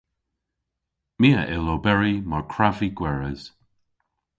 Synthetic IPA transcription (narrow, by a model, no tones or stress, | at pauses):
miːəʔɛlobɛɹimaɹkʰɹaviɡ̥wɛɹəz̥